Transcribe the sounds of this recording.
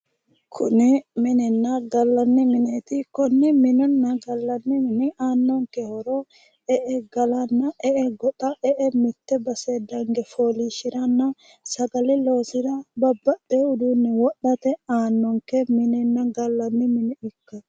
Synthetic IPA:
kʰʊnɪmɪnɛnːɐɡɐlːɐnːɪmɪneːt̪ɪkɔnːɛmɪnɔnːɐɡɐlːɐnːɪmɪnɪaːnːɔŋkɛhɔɾo | ɛʔɛɡɐlɐnːɐʔɛʔɛɡɔt̪ʼɐɛʔɛmɪt̪ːɛbɐsed̪ɐŋɡɛfoːliʃɪɾɐnːɐ | sɐɡɐlɪlo̞ːsɪd̪ɐbɐbːɐɗeʊd̪unːɪwɔɗɐt̪ɛaːnːɔŋkɛmɪnɛnːɐɡɐlːɐnːɪmɪnɛɪkːɐ

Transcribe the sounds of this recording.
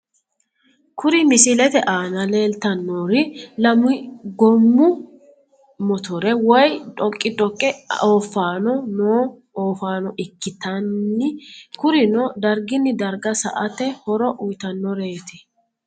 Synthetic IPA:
kʰʊɾɪmɪsɪlɛt̪ɛʔaːnɐle̞ːlt̪ɐnːoːɾɪlɐmʊɪɡɔmːʊ | mɔt̪ɔɾɛwɔjᶑʼɔkʼːɪd̪ɔkʼːɛoːfːaːnɔnoː | oːfaːnɔʔɪkːɪt̪ɐnːɪkʊɾɪnɔd̪ɐɾɡɪnːɪd̪ɐɾɡɐsɐ̰ʔɐt̪ɛhɔɾɔʔʊjt̪ɐnːɔɾe̞ːt̪ɪ

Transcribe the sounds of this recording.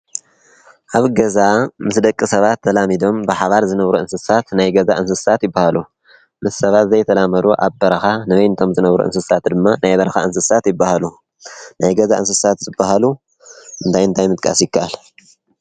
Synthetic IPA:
ʔaβɡɐzamɨsd̪ɐkʼːisɐβat̪ʰːɐlamid̪o̞mbɨħaβaɾzɨnɐβɾuɨnsɨsat̪najɡɐzaʔɨnsɨsat̪jɪbːahalu | mɨssɐβat̪zɐjt̪ʰɐlamɐɾuʔa̰βbɐɾɐxanɨβɐjnɨt̪ʰo̞mzɨnɐβɾṵʔɨ̰nsɨsat̪d̪ɨmːanajbɐɾɐxa̰ɨnsɨsat̪jɪbːahalu | najɡɐzaʔɨnsɨsat̪zɨbːahalu | ʔɨnt̪ʰajɨnt̪ʰajmɨt̪ʼkʼa̰sjɪkʰːaʔal

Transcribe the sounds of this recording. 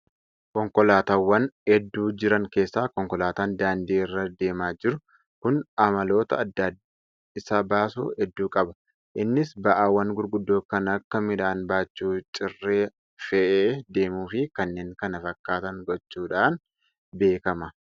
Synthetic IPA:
kɔŋkɔlaːt̪aːwːɐnhɛd̪ːuːd͡ʒɪɾɐŋke̞ːsːaːkɔŋkɔlaːt̪aːnd̪aːnd̪iːɪrːɐd̪e̞ːmaːd͡ʒɪɾʊ | kʊnɐmɐlo̞ːt̪ɐɐd̪ːad̪ | ɪsaːbaːsṵːhɛd̪ːuːkʼɐbɐ | ʔɪnːɪsbɐʔaːwːɐnɡʊɾɡʊd̪ːoːkɐnɐkːɐmɪᶑaːnbaːt͡ʃːuːt͡ʃʼɪrːeː | fɛʔeːd̪e̞ːmuːfɪkɐnːe̞ːŋkɐnɐfɐkːaːt̪ɐŋɡɔt͡ʃːuːᶑaːn | be̞ːkɐmɐ

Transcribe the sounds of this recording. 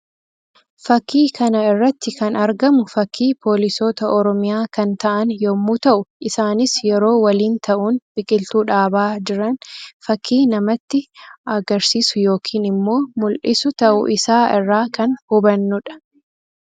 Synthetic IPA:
fɐkːiːkʰɐnɐɪrːɐt̪ːɪkɐnɐɾɡɐmʊfɐkʰːiːpʰo̞ːlɪsoːt̪ɐʔɔɾɔmɪjaːkɐnt̪ɐʔɐnjoːmːuːt̪ɐʔʊʔɪsaːnɪsjɛɾo̞ːwɐliːnt̪ʰɐʔuːnb̥ɪkʼɪlt̪uːᶑaːbaːd͡ʒɪɾɐnfɐkʰːiːnɐmɐt̪ːɪɐɡɐɾsiːsʊjo̞ːkʰiːnɪmːo̞ːmʊlʔɪsʊt̪ɐʔʊ̰ʔɪsaːɪrːaːkɐnhʊbɐnːʊᶑɐ̥

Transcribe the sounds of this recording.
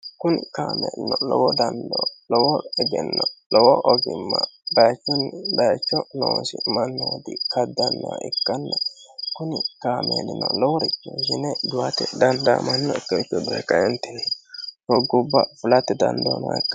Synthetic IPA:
kʊnɪkaːmɛnɔlɔwɔd̪ɐnd̪ɔlɔwɔɛɡɛnːɔlɔwɔʔɔɡɪmːɐb̪ɐjt͡ʃːɔnbɐjɐt͡ʃːɔnɔʃɪmɐnːɔwɔd̪ɪkʰɐd̪ːɐnːaʔɪkːɐnːɐkʊnɪkaːmḛːd̪ɪnɔlɔwɔɾɛt͡ʃːoʃɪnɛd̪ʊwat̪ɛd̪ɐnd̪a̰ːmɐnːɔkːɐɪt͡ʃːɔd̪ɔɛkːɐjɛnt̪ːɪnɛtɔɡʊbːɐfʊlɐt̪ːɪd̪ɐ̰nd̪ɐna̰ɪkːɐ

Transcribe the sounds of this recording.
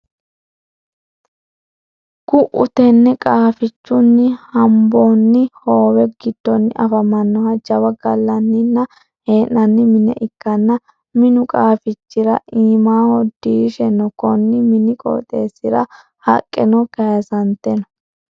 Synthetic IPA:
kʊʔʊt̪ɛnːɛkʼaːfɪt͡ʃːʊnːɪhɐmbonːɪhoːwɛɡɪd̪̥ːɔnːɪʔɐfɐmɐnːɔhɐd͡ʒɐwɐɡɐlːɐnːɪnːɐ | heːnːɐnːɪmɪnɛ̰ʔɪkːɐnːɐ | mɪnʊkʼaːfɪt͡ʃːɪɾɐ̰ʔiːmaːhɔd̪iːʃɛnɔkɔnːɪmɪnɪkʼɔ̰ːt̪ʼe̞ːsːɪɾɐ̰ | hɐ̰kʼːɛnɔkɐjɐsɐnt̪ɛnɔ̥

